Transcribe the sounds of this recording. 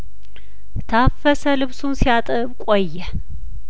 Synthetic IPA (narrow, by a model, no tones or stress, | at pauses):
t̪ʰafːəsəlɨβsunsijat̪ʼɨβkʼojːɛ